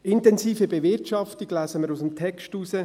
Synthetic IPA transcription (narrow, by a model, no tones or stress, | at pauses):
ɪntɛnsiːfəbevɪrtʃɑftiɡlæːsəməɾusəmtʰɛkʃtuːsə